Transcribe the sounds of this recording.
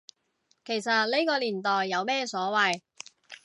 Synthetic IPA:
kʰe˨˩jsɐ˨t̚le˥jkɔː˧liː˨˩nt̪ɔː˨jːɐ˨˧wmɛː˥sɔː˨˥wɐ˨j

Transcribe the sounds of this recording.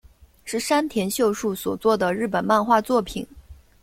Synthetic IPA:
ʂɻ̩˥˩ʂa˥nt̪ʰjɛ˧˥nɕjo˥˧ʊʂu˥˩swɔ˨˩t͡swɔ˥˩d̪ə˩ɻɻ̩˥˩pə˨˩nma˥˧nxwa˥˧t͡swɔ˥˩pʰḭ˨˩˦n

